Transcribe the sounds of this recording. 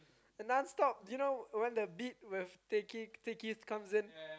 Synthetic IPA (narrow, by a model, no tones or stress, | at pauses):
ɛ̃nãnstɔp̚junowɛ̃ndəbit̚wɪftekitekiskãmsɪ̃n